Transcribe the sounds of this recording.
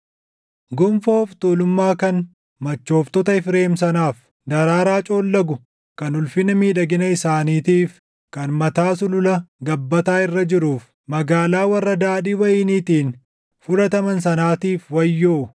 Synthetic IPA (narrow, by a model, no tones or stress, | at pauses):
ɡʊmfo̞ːft̪oːlʊmːaːkɐn | mɐt͡ʃːo̞ːft̪ɔt̪ɐɪfɾe̞ːms̬ɐnaːf | d̪ɐɾaːɾaːt͡ʃʼo̞ːlːɐɡʊ | kɐnʊlfɪnɐmiːᶑɐɡɪnɐɪsaːniːt̪iːf | kɐnmɐt̪aːsʊlʊlɐɡɐbːɐt̪aːɪrːɐd͡ʒɪɾuːf | mɐɡaːlaːwɐrːɐd̪aːᶑiːwɐjɪnit̪iːn | fʊlɐt̪ɐmɐnsɐnaːt̪iːfwɐjːoː